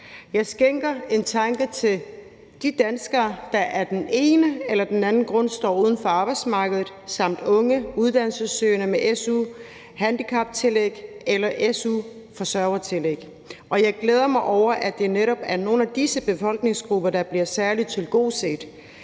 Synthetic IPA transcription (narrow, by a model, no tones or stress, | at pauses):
jɑ̈ɪsɡ̥eŋɡ̥ɐe̝nt͡sʰɑ̈ŋɡ̥ət͡sʰe̝l | d̥id̥ænsɡ̥ɐːd̥ɑ̈ʔæɐd̥ene̝ːnəelɐd̥enænn̩ɡ̥ʁɔ̽n̰sd̥ɒ̰ːuːð̞ˠn̩fɒ̽ɑ̈ːb̥ɑ̈ɪd̥smɑ̈ːɡ̥əðˠð̩ˠsɑ̈m̰d̥ɔ̽ŋəuð̞ˠd̥æn̰lsəsøːnəmeʔesu | hænd̥ikʰɑ̈b̥t͡sʰe̝leɡ̥elɐʔesu | fɒ̽sɶɐʊɐt͡sʰe̝leɡ̥ | ʔɒ̽jɑ̈ɪɡ̥leːð̞ˠɐmɑ̈ɪʔɒʊ̰ɐʔæd̥e̝neɾɒ̽b̥æɐno̝ːn̩æd̥isəb̥e̝fɒ̽l̰ɡ̥ne̝ŋsɡ̥ʁub̥ɐd̥ɑ̈b̥liɐsæɐlit͡sʰe̝lɡ̥o̝̰ːse̝̰ːd̥